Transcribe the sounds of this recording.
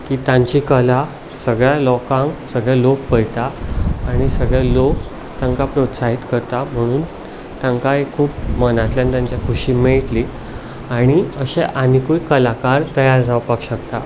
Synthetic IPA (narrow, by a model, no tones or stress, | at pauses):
kiːt̪jãɲt͡ɕikəla | səɡɭjalɔkãŋksəɡɭjalok̚pəjt̪aːɽ̃isəɡɭjalok | t̪jaŋkapɾot̪saɦit̪kəɾt̪am̤əɽ̃uːn | t̪jãŋkaɦekʰuːp̚mənat̪ljãnt̪jãɲt͡ɕjakʰuɕimeɭt̪li | aɽ̃iəɕeʔanikuikəlakaɾt̪əjaɾd͡zʱaʋpakɕəkt̪a